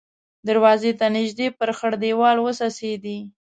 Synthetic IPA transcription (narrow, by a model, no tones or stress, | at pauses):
d̪aɾwɑzet̪anɪʒd̪epəɾxəɽd̪ewɑlwəsɑsed̪i